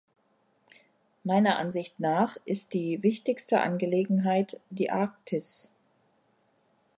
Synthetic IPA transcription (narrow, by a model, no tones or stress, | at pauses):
maɪnɐʔanzɪçtnaːχʔɪst̚d̥iːvɪçtɪçstəʔa̰nɡəleːɡŋ̩ɦaɪtd̥iːʔaːk̚tʰɪs